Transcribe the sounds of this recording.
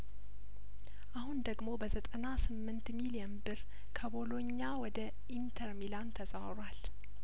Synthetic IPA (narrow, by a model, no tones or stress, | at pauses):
ʔahund̪əɡmo̞bəzət̪ʼənasɨmːɨnt̪milijənbɨɾ | kʰəbo̞lo̞ɲːawɔd̪ə | ʔint̪ʰəɾmilant̪ʰəsʼawɾwal